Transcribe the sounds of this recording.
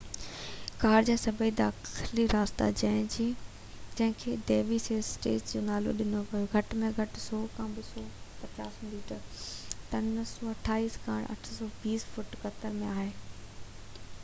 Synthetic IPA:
kaːɾd͡ʑaːsɐbʱəid̪aːxɪliɾaːst̪a̰d͡ʑɐɪ̃d͡ʑiː | d͡ʑɐ̃ɦɪ̃kʰeːd̪eːʋiseːssʈḛːt͡ɕd͡ʑoːnaːlo̰ɗɪnoʋijoɡʱɐʈmẽɡʱɐʈsɔːkʰãːbɪsɔːpɐt͡ɕaːsliːʈəɾt̪ɐnsɔːɐʈʰaːiːskaːɽ̃ʔɐ̰ʈʰsɔːbiːsfʊʈkɐt̪əɾmẽaːɦeː

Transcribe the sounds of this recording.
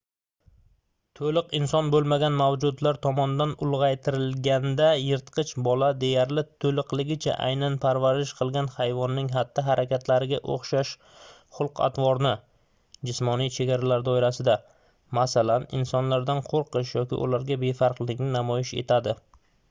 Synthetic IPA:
t̪ʰolɪqɪnsɒnbolˠmaɡʲanmawd͡ʒʊd̪laɾt̪ʰɒmɒnɪd̪anʊlˠʁɑjt̪ʰɪɾɪlɡʲand̪ajɪɾt̪qʰɨt͡ʃʰbɒlad̪e̞jaɾlɪt̪ʰɵlɨqlɪɡʲɪt͡ʃʰa̰ʔa̰jnanpʰaɾvaɾɪʃqʰɨlˠɡʲanhajvɒnːɪŋɦat̪ːɪɦaɾakʲʰat̪ʰlaɾɪɡʲaʔo̰χʃaʃ | χʊlˠqʰa̰t̪ʰvɒɾnɪ | d͡ʒɪsmɒnijt͡ʃʰe̞ɡʲaɾalaɾd̪ɒɪɾasɪd̪a | masalanɪ̰nsɒnlaɾd̪anqʰoɾqʰɨʃjɒkʲɪ̰ʔʊ̰laɾɡʲabe̞faɾqlˠɪkʲnɪnamɒjɪʃe̞̰t̪ʰad̪ɪ

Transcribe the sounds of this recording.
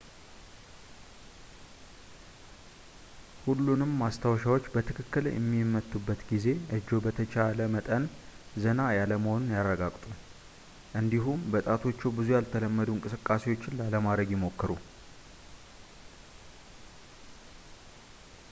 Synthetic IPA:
hulːunɨmːast̪ʰawʃ̬awo̞t͡ʃːbət̪ʰɨkʰɨkːɨljɛ̰mːimːət̪ʰːubːət̪ɡize̞ʔɨd͡ʒːo̞bət̪ʰət͡ʃaləmət̪ʼənzənajaləməho̞nunjarːəɡakʼt̪ʼu | ʔɨnd̪iɦumbət̪ʼat̪ʰo̞t͡ʃːɛwbɨzujalt̪ʰələmːəd̪uɨnŋkʼɨsɨkʼːase̞wo̞t͡ʃːɪnlaləmad̪ɾəɡjɪmo̞kːəɾu

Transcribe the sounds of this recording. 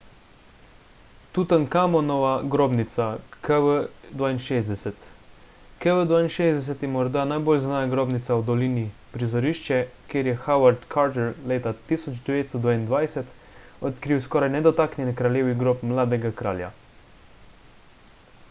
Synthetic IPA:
t̪ut̪ankamɔnɔʋaɡɾoːbnit̪sakɛʋəd̪ʋaːinʃeːzd̪ɛsɛt̪ | kɛʋəd̪ʋaːinʃeːzd̪ɛs̬ɛt̪jɛmɔɾd̪anajboːlznajaɡɾoːbnit̪sawd̪ɔlinipɾizɔɾiʃt͡ʃɛkjeːɾjɛxawaɾt̪kʰaɾt̪ɛɾleːt̪at̪isɔd͡ʒd̪ɛʋeːt̪st̪ɔd̪ʋaːind̪ʋajsɛt̪ | ɔt̪kɾiwskɔːɾajnɛd̪ɔt̪aːknʲjɛnɛkɾaljeːʋiɡɾoːpmlaːd̪ɛɡakɾa̰ːlja̰

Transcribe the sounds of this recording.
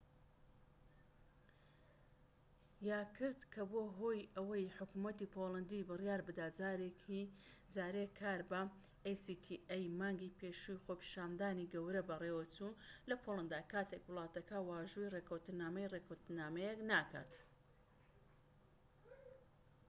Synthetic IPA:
jaːkʰɨɾd̪kʰɐboɦoːjɐwɐjħʊkumɐt̪ipʰolˠɐnd̪ibɨrjaːɾbɨd̪aːd͡zaːɾekʰid͡zaːɾekʰaːɾbɐ | ejsit̪ʰiʔejmaːŋɡipʰeʃujxoːpi̥ʃaːnd̪aːniɡɐwɾɐbɐrewɐt͡sulɐpʰolˠɐnd̪aːkaːt̪ʰekwɨlˠɑːt̪ɐkʰɐwaːʒujrekɐwt̪ɨnaːmɐjrekʰɐwt̪ɨnaːmɐjeknaːkʰa̰ːt̪

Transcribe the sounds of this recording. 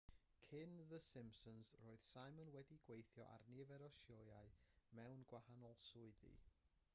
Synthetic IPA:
kʰɪnðəsɪmpsɔnzroːɨð̥sajmənwɛdiɡwejθjɔ̰ʔa̰rnɪvɛɾɔʃjojaɨmɛwnɡwahanɔlˠsʊɨðḭ

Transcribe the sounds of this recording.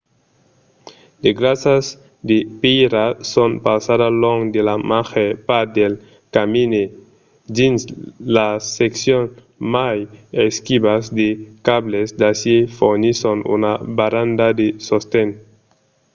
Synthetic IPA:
leɡɾasaz | d̪epiɾasonpawsaðaloŋd̪elamaxepad̪el | kamine | dinslaseksjon | majeskiβazd̪ekaβlezd̪asjefoɾnisonṵnabaɾand̪ad̪esost̪en

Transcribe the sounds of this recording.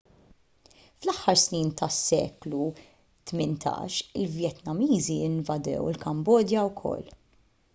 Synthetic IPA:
flɐħːɐɾsniːnt̪ɐsːɛ̰ːklu | t̪mɪnt̪ʰɐ̰ːʃɪlvjɛt̪nɐmiːziɪnvɐd̪ɛ̰wɪ̰lkɐmbɔːd̪jɐwkʰɔ̰lː

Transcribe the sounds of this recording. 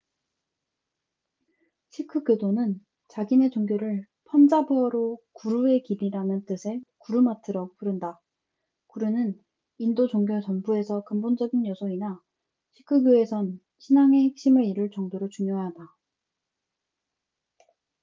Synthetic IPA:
ɕʰikʰɯɡjodonɯn | t͡ɕaɡine̞t͡ɕoŋɡjoɾɯɭ | pʰʌnd͡ʑabuʌɾokuɾue̞kiɾiɾanɯnt͈ɯsʰe̞kuɾumatʰɯɾʌpuɾɯnda | kuɾunɯn | indot͡ɕoŋɡjot͡ɕʌnbue̞sʰʌkɯmbond͡ʑʌɡinjʌsʰoina | ɕʰi̥kʰɯɡjoe̞sʰʌn | ɕʰinaŋe̞hek̚ɕ͈imɯɭiɾɯɭt͡ɕʌŋdoɾot͡ɕuŋjoada

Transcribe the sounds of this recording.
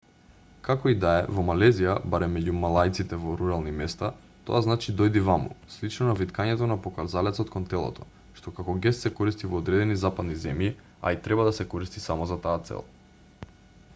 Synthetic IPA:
kakɔid̪aɛ̰vɔmalɛzijabaɾɛmːɛɟumalˠajt̪sit̪ɛvɔɾuɾalˠnimɛst̪a | t̪o̰aznat͡ʃid̪ɔjd̪ivamṵslit͡ʃnɔnavit̪kaɲɛt̪ɔnapokaɾzalɛt̪sɔt̪kɔnt̪ɛlˠɔ̰t̪ʰɔ | ʃt̪ɔkakɔɡɛst̪sɛkɔɾist̪ivɔːd̪ɾɛd̪ɛnizapad̪nizɛmji | a̰it̪ɾɛbad̪asɛkɔɾist̪i̥samɔzat̪aːt̪sɛ̰lˠ

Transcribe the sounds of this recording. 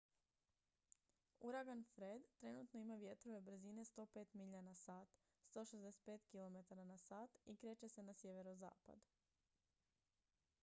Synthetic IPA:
uɾaɡanfɾed̪t̪ɾe̞nut̪no̞imaʋje̞t̪ɾo̞ʋe̞bɾ̩zine̞st̪o̞ːpe̞ːt̪miʎanasaːt̪ | st̪o̞ːʃezd̪ese̥t̪̚pe̞ːt̪kilˠo̞me̞t̪aɾanasaːt̪ikɾe̞ːt͡ʃe̞se̞nasje̞ʋe̞ɾoza̰ːpa̰d̪u

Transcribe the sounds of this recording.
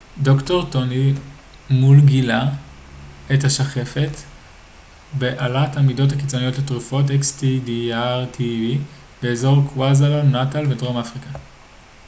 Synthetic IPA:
do̞kto̞ʁtoni | mulɡila | ethaʃaχe̞fe̞t | beʔalatamido̞thakit͡so̞nijo̞tletʁufo̞t̬ekstidiaʁtʰivi | b̥e̞eːzo̞ʁkwazalonːatalvedʁomafʁika

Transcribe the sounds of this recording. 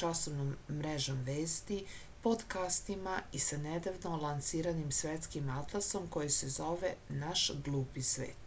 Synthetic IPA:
asoʋnomːɾeʒomʋeːst̪i | pod̪kast̪imaisaned̪aʋnolˠansiːɾanimsʋʲjet̪skimat̪lˠaso̞mko̞jesezo̞ʋenaʃɡlˠuːpisʋḛːt̪

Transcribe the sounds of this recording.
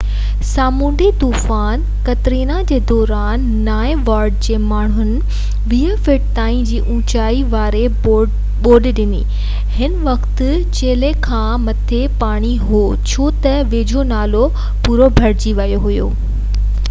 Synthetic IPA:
saːmũːɳɖit̪uːfaːn | kɐt̪ɪɾiːnad͡ʑeːd̪ɔːɾaːnːaːẽʋaːɾɖd͡ʑeːmaːɳ̤ɦʊnɪ̆ | ʋiəfɪʈ̚t̪aːĩd͡ʑiːʔũːt͡ɕaːiʋaːɾe | o | ɓoːɗɗɪnḭ | hɪnʋɐkt̪̆ | t͡ɕeːlekʰãːmɐt̪ʰepaːɽ̃iɦo | t͡ɕʰoːt̪ɐʋeːd͡ʑʱonaːlo | puːɾobʱɐɾd͡ʑiʋɐjoɦʊjo̰ː

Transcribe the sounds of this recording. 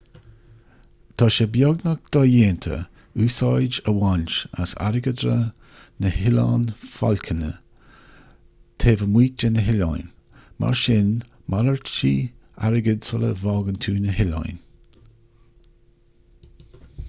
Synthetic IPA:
t̪ʰɑːʃəbjɔɡnək̚d̪̥ɔjeːnt̪ʰə̰ | uːsɑjd͡ʒəwant͡ʃa̰sa̰ɾɪɡəd̪ɾə | nəhɪlaːnfɔ̰lkʰənə̰ | t̪ʰeːvəmwiːt̚d͡ʒənəɦɪlɔ̰jn | mʔa̰ɹʃɪn | mʔaləɹt͡ʃiː | a̰ɾɪɡədsələ̰vɔːɡənt̪ʰuːnəhɪlɔ̰jn

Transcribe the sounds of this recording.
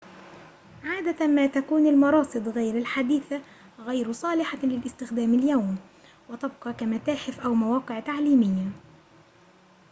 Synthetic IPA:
ʕaːd̪amaːt̪akuːnalmɑɾˤɑːsˤɨd̪ˤɣajɾalħad̪iːθa | ɣajɾsˤɑːlɪħalɪlʔɪst̪ɪxd̪aːmaljawm | wɑt̪ɑb̚qɑkamat̪aːħɪfʔawmawɑːqɨʕt̪aʕliːmɪjːa

